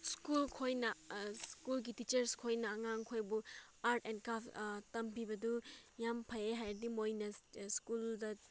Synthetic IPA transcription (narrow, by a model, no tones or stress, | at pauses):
skulkʰojnɐskulɡitit͡ʃɐɾskʰojnɐːŋaŋkʰojbu | aɾtʰenkaftɐmpʰibɐdujampʰɐjeɦajdimojnɐskuldɐ